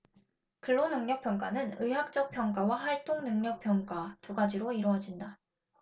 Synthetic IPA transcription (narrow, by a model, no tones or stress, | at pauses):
kɯɭːonɯŋɲʌk̚pʰjʌnɡanɯnɯɦak̚t͡ɕ͈ʌk̚pʰjʌnɡawaɦaɭt͈oŋnɯŋɲʌk̚p͈ʰjʌnɡatuɡad͡ʑiɾoiɾʌʌd͡ʑinda